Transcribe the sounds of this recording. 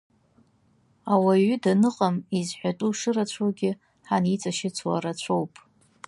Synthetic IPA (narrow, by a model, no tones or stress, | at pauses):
awaɥʏdanɨqʼamizħʷatʼuʂɨrat͡ɕʷʰaɡʲɪ | ħanit͡sʷʼaʃɪt͡sʷʰwa̰ɾat͡ɕʷʰowpʼ